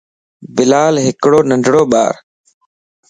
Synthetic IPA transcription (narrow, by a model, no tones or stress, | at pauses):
bɪlaːlɦɪkɽoːnəɳɖʱɽoːɓa̰ːɾ